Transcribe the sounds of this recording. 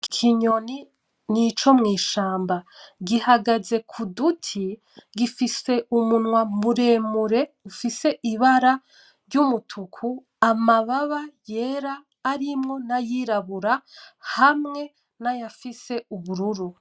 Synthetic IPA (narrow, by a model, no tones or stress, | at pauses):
kkʰiɲo̞ni | nit͡ʃo̞mŋiːʃaːmbaɡihaɡaze̞kʰudutʰi | ɡifise̞ʔumunŋwamuɾe̞ːmuɾe̞ufise̞ʔiβaɾa | ɾɟumutʰukʰu | amaβaβaje̞ːɾaː | ɾimŋo̞najiɾaβuɾahamŋe̞ | najafise̞uβuɾuɾu